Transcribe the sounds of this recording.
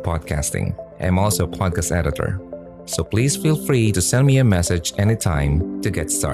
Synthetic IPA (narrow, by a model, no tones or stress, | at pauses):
pʰɔd̚kʰæ̰stɪ̰̃ŋʔã̰ɪ̃mɔlˠsoʊpʰɑd̚kʰæstɛ̰ɾɨɾə̰˞ | soʊpʰl̥iz̥filˠfɹiɾɨsɛ̃nmiɨmɛsɨd͡ʒɛnitʰãɪ̃mtɨɡɛtstɑ̰